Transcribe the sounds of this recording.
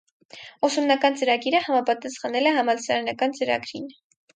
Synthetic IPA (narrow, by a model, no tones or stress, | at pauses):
ɔsumnɑkɑnt͡səɾɑɡiɾəhɑmɑpɑt̪ɑsχɑnɛlɛhɑmɑlt͡sʰɑɾɛnɑkɑnt͡səɾɑ̰ɡɾin